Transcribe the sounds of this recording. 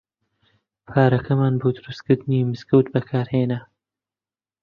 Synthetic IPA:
pʰaːɾɐkʰɐmaːnboːd̪ʊɾust̪kɨɾd̪ɨniːmɨzkɐwt̪̚bɐkʰaːɾheːnɐ

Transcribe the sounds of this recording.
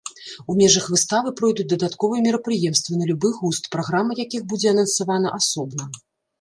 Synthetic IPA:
umʲɛʐɐxvɨst̪avɨpɾɔjd̪ut͡s̚ʲd̪ɐd̪at̪kɔvɨjɛmʲɛɾɐpɾɨjɛmst̪vɐnɐlʲubɨɣust̪pɾaɣɾamɐjakʲiɣbud͡zʲɛɐnɐnsavanɐʔasɔbnɐ

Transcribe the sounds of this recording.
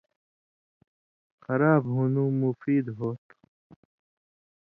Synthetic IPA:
xɐɾaːbɦunũːmufiːd̪ɦoːt̪

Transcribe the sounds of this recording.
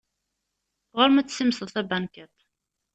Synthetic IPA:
ʁʊɾmæt͡sːsimsəθæbænkæt̪

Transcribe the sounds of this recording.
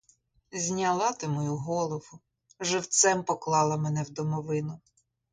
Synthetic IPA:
zʲnʲɐlˠɑt̪ɪmɔjuɦɔlˠɔʋʊ | ʒɪwt̪sɛmpɔklˠɑlˠɐmɛnɛwd̪ɔmɔʋɪnʊ

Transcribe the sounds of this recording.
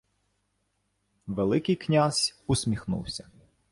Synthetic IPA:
ʋelˠɪkɪjknʲazʲʊsʲmʲixnṵwsʲɐ

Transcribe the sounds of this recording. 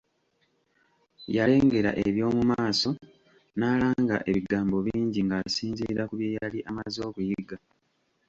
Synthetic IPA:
jale̞ːŋɡe̞ɾa̰ʔeβjo̞ːmumaːso̞ | naːlaːŋɡa̰ʔe̞βiɡaːmbo̞βiːɲɟiŋɡasiːɲziɾakuβjejaliʔamazo̞ːβujiɡa

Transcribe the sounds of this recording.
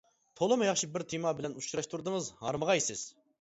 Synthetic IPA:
t̪ʰolˠɨmɨjɑχʃibɪɾt̪ʰimɑbɪlɛnut͡ʃɾɑʃt̪ʰuɾd̪ɨŋɨzhɑɾməʁɑjesɪz̥

